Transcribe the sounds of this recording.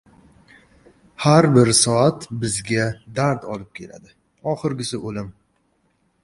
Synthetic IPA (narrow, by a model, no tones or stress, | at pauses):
haɾbɪɾsɒat̪bɪzɡʲad̪aɾd̪ɒlɪp̚kʲʰe̞la̰d̪ɪ | ɒχɨɾɡʲɪsɪʔolɪm